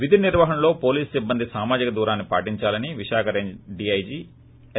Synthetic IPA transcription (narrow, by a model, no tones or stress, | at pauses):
ʋid̪ʱiniɾʋaːɦɐmlo̞ːpo̞ːliːssibːɐnd̪isaːmaːd͡ʒikɐd̪uːɾaːnːipa̰ːʈiɲt͡ʃaːlɐniʋiʃaːkɐɾeːɲd͡ʒɖiɐjd͡ʒiː